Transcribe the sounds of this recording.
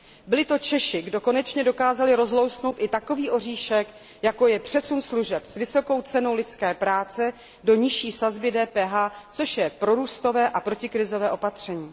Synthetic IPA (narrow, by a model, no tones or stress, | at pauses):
bɪlɪt̪o̞t͡ʃɛʃɪɡdo̞ko̞nɛt͡ʃɲɛdo̞kaːzalɪɾo̞zlo̞wsno̞wt̪ɪt̪ako̞viːʔo̞riːʃɛk | jako̞jɛpr̥ɛsunsluʒɛpsvɪso̞ko̞wt͡sɛno̞wlɪt͡skɛːpɾaːt͡sɛ | do̞ɲɪʃiːsazbɪdɛːpɛːɦaːt͡so̞ʃjɛpɾo̞ɾuːst̪o̞vɛːʔapɾo̞cɪkɾɪzo̞vɛːʔo̞pat̪r̝̥ɛɲiː